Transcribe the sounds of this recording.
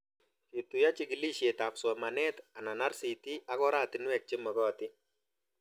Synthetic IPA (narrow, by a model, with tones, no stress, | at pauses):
t͡ʃi˨t̪ːu˨ja˦t͡ʃɪ˦ɡi˨li˦ʃje˨ta˨pswɔ˨ma˨nɛ˦t̪a˨na˨na˦ɾsi˨ti˦a˦kɔ˦ɾa˦˨tɪ˨nwɛ˨k̚t͡ʃɪ˦mɔ˨ɡɔ˦˨tɪ˦